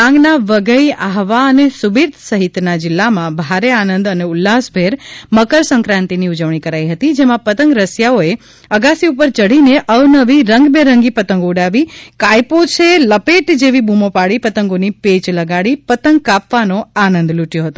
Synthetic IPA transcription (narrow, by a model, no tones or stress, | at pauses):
ãŋɡnaʋəɡəjaɦʋaənesubiɾt̪ʰsəɦit̪nad͡ʒɪlːamãbʱaɾeanə̃nd̪əneʊlːasbʱeɾməkəɾsə̃ŋkɾãnt̪iniud͡ʒəʋɳ̃ikəɾajɦət̪id͡ʒemãpət̪əŋɡɾəsjaoe | əɡasiupəɾt͡ʃəɽineʔəʋnəʋiɾəŋɡbẽɾəŋɡipət̪əŋɡoɽaʋikajpot͡ʃʰeləpeʈd͡ʒeʋibumopaɽipət̪əŋɡonipet͡ʃləɡaɽipət̪əŋɡ̚kapʋanoanə̃nd̪luʈjoɦət̪o